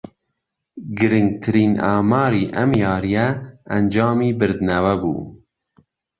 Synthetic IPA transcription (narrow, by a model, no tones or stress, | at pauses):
ɡɨɾɪŋɡ̚t̪ʰɨɾiːnɑːmɑːɾiːʔɛmjɑːɾijɛːnd͡ʒɑːmiːbɨɾd̪nɛwɛbṵː